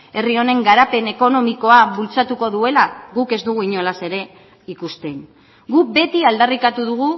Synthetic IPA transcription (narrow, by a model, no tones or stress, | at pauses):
e̞rio̞ne̞ŋɡaɾape̞ne̞ko̞no̞miko̞aβult͡sat̪uko̞ðue̞laɣuke̞zd̪uɣ̞uiɲo̞lase̞ɾe̞ | ikust̪e̞ŋ | ɡube̞t̪iald̪arikat̪uðuɣu